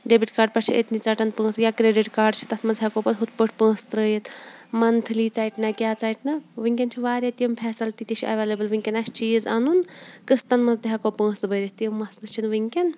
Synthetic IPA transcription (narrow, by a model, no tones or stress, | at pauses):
ɖebiʈkaːɾɖ̚pɐʈt͡ʃʰiḛt̪nit͡saːʈɐnpə̃ːsjaːkɾeːɖiʈkaːɾɖ̚t͡ʃʰi̥t̪ɐt̪ʰmɐnzd̪ʱʲjakoːpɐt̪ɦut̪pəʈʰpə̃ːst̪ɾəːjet̪mɐnt̪ʰɨlit͡saːiʈnɐkʲjaːt͡saːiʈnɐʋɨŋkʲɐnt͡ʃʰiʋaːɾʲɐt̪ijɐmpʰɛːsɐlt̪it̪ʲit͡ʃʰiʔɐʋeːlɐbɨlʋɨŋʲkʲɐnɐst͡ʃiːzaːnunkɨst̪ɐnmɐsd̪ɦakopə̃ːsbəɾɐɦt̪ijɐmːɐsnɨt͡ʃʰinʋɨŋkʲɐn